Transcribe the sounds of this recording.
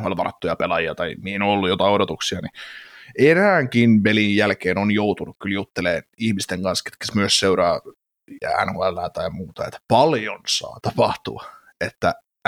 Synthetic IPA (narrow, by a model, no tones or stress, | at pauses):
hoælʋɑrɑt̪ːujɑpelɑjiɑt̪ɑiminoolːujot̪ɑodot̪uksiɑni | enæːŋkinʋelijjælkeːnonjout̪unukkyljut̪ːeleːnihmist̪eŋkɑnske̥t̪kæ̥smyøsseuɾɑː | æ̰nhoælːæːt̪ɑjmuːt̪ɑ̰ḛt̪ːpɑljonsɑ̰ːt̪ɑpɑht̪ṵɑ | et̪ːæ